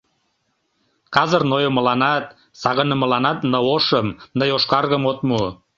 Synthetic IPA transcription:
kɑzərnojomə̆lɑnɑt̪̚ | sɑɣə̆nəmə̆lɑnɑt̪nə̆oʃəmnəjoʃkɑrɣəmot̪mu

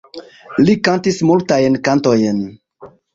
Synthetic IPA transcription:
likantismultajnkantojn

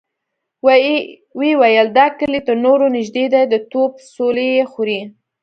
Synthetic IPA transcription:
wewajəld̪ɑkəlit̪əɾnoɾonɪʒd̪ed̪ajd̪ət̪opsolejexuɾi

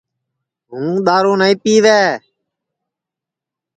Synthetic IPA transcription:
ɦũːɗ̪aːɾõːnaĩːpiːʋɛː

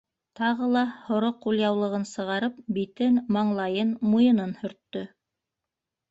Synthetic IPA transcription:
t̪ɑʁɤlˠɑhŏɾoqːulˠjɑwlˠɤ̆ʁɤnsɤ̆ʁɑɾɤp̚bit̪ɘnmɑɴlˠɑjɤnmujɤ̆nɤnhɵ̆ɾt̪ːɵ

